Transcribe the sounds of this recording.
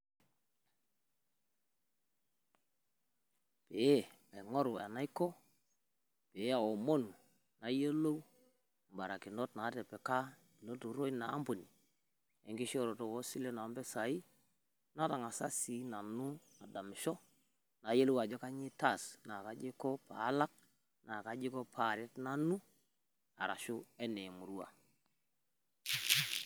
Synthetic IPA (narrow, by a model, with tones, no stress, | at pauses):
pe˨e˦ | a˨ŋo˦ɾu˨a̰˨na˦i˦kɔ˦ | pe˨˦a˨wo˨mo˦˨nu˨ | na˨˦je˦lo˦w | mba˨ɾa˨ki˨no˦tna˨˦tɛ˨pɛ˨ka˦ | ɪ˨no˦tu˨ɾo˦i˦naː˨˦mbu˨ni˨ | ɛ˨ŋɡɪ˦ʃɔ˦ɾo˨to˨wɔ˦si˦le˦na˨˦mbɛ˦sa˨i˦ | na˦ta˨ŋa˨sa˦si˨˦na˨nu˦ | a˨da˨mɪ˨ʃɔ˦ | na˨˦je˦lo˦wa˨d͡ʒɔ˦ka˦ɲɪ˦ta˦˨sna˨ka˦d͡ʒɪ˦kɔ˦pa̰˨˦la˦k̚ | na˨ka˨d͡ʒɪ˦kɔ˦pʰa˨ɾɛ˦tna˦nu˦ | a̰˨ɾa̰˨ʃʊ˦ɛ˦nɛ˨mu˨ɾu˦a̰˨